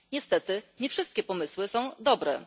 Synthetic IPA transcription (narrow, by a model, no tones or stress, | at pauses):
ɲɛst̪ɛt̪ɘɲɛfʂɘst̪̚kʲɛpɔmɘswɘsɔ̃w̃d̪ɔbɾɛ